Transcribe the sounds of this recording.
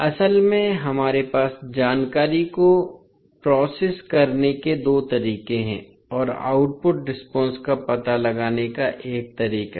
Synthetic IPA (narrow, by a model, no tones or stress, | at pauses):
ɐsəlmẽɦɐmaːɾepaːsd͡ʒaːnkaːɾiko | pɾɔːseːskɐɾneked̪oːt̪ɐɾiːqẽɦɛ̰̃ | ɔːɾa̰ːʊʈ̚pʊʈ̚ɖɪspɔ̃ːnskapɐt̪alɐɡaːnekaʔeːk̚t̪ɐɾiːqa